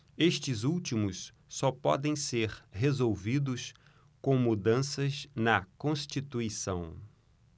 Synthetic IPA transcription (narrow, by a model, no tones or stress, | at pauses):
eʃt͡ʃɪzuwt͡ʃimʊs | sɔpɔ̰d̪ẽj̃seɾhezowvid̪ʊs | kõw̃mud̪ɐ̃sɐznɐkõʃt͡ʃit̪uisɐ̃w̃